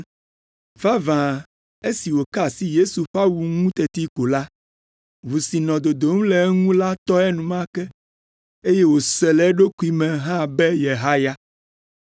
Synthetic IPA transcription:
va˦vã˨ | e˦si˨wo˨ka˦si˦je˦su˨ɸa˦wu˨ŋũ˦t̪ɛ˨t̪i˦ko˨la˦ | vu˨si˨nɔ̃˨d̪o˨d̪o˨ŋũ˦lɛ˨˦ŋũ˦la˦t̪ɔ˦ɛ˦nũ˨mã˦kɛ˦ | e˦je˦wo˨sɛ˨lɛ˨˦ɖo˦ku˦i˦mɛ̃˨ɦã˦bɛ˦je˨ɦa˦ja˦

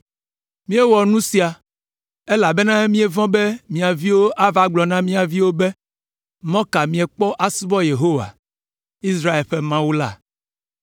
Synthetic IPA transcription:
mĩ˦e˦wɔ˨nũ˦si˦a˨ | e˦la˨be˦nã˦mĩ˦e˦vɔ̃˦be˦mĩ˨a˨vi˦wo˦ʔa˦va˦ɡ͡blɔ˨nã˦mĩ˦a˨vi˦wo˦be˦ | mɔ̃˦ka˨mĩ˨e˨k͡pɔ˦ʔa˨si˦bɔ˦je˨ɦo˦wa̰˨ | i˦s̬ɾa˦e˨lɸe˦mã˦wu˦la̰˦˨

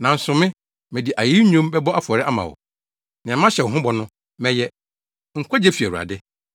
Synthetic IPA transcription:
nã˨n̩˨sʊ̃˨mɪ̃˦ | mɪ̃˨dɪ˨ʔa˨ji˦ɲũ˦mbɛ˦bɔ˦a˦fʊ˨ɔ˨ɾɪ˦ʔa˦mã̰˨wɔ̰˨ | nɪ̃˨ã˨m˦ã˦ɕɛ˨wɔ˨ɦʊ̃˦bɔ˨nʊ̃˦ | mɛ̃˨jɛ˦ | ŋ̩˨kʷʰɔ˦d͡ʑɛ˦fi˨æ˨wu˨a̰˨dɪ˦

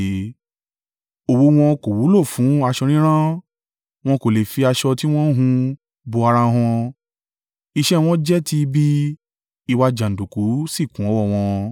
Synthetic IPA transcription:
o˨wu˧˦w̃ɔ̃˧ko˨wu˨˦lo˦˨fũ˨˦a˧ʃɔ˧ɾ̃ĩ˦ɾ̃ã˦ | w̃ɔ̃˧ko˨le˨fi˧a˧ʃɔ˧ti˦w̃ɔ̃˦ɦũ˧ | bo˧a˧ɾã˧ɦɔ̃˧ | i˧ʃɛ˦w̃ɔ̃˦d͡ʒɛ˦ti˧bi˦ | i˦˧wa˧d͡ʒã˨n̩˨du˨ku˨˦si˦˨kũ˨˦ɔ˨˦wɔ˦˨w̃ɔ̃˧

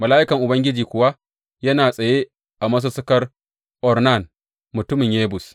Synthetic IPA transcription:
mɐ˨laː˦ʔɪ˦kɐ˨ŋʔʊ˨bɐ˦ŋɡʲɪ˦d͡ʒiː˨kʷʊ˨wa˦ | jɐ˦naː˨sʼɐ˨je˦ | ʔa˨mɐ˦s̬u˦sʊ˦kɐ˦r | ʔɔ˨rna˦˨n | mʊ˨tʊ˦mɪ˨ɲjeː˦bʊ˨s

